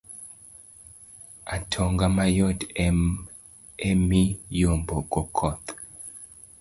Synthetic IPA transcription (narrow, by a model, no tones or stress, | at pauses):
atʰɔŋɡamajɔtɛ | emijomboɡɔkʰɔt̪